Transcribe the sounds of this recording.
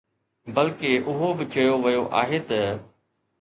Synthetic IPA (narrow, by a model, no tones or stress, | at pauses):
bɐlkeʔʊɦobɪt͡ʃɐjoʋɐjoʔa̰ːɦeːt̪ɐ